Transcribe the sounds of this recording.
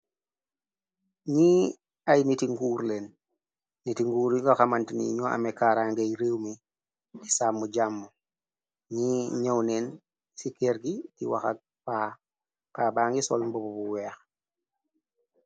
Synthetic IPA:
ɲiː | ajnitiŋɡuːɾlenː | itiŋɡuːɾiŋɡaxamantinḭɲɔa̰mekaːɾaŋɡejɾewmi | tisaːmːuɟamːu | ɲiːɲawneːn | sikeɾɡitiwa̰xa̰k̚ | paː | pabaːŋɡisɔ̰lmbobubuwɛːx

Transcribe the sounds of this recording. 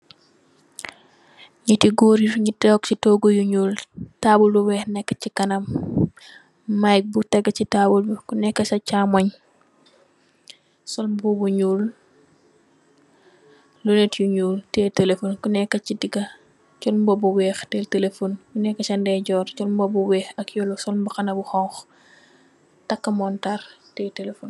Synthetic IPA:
ɲitiɡoːɾiɾɲitɛːksitɔːɡojuɲuːltaːbulbuwɛːxnɛkːɐcikɐnɐm | ajk̚butɐɡɐcitaːbulbukunɛkːɐsɐcaːmɔɲ | sɔlmbubuɲuːl | lunetjuɲuːltɛtelefonkunɛkːɐcidiɡɐ | t͡ʃɔlmbɔbuwɛːxtɛltelefonkunɛkːɐt͡ʃɐndɛːɟɔːɾt͡ʃɔlmbobuwɛːxɐkjɔlsɔlmbuxɐnɐbuxɔŋx | tɐkːɐmɔntɐrtɛːtɛlefon

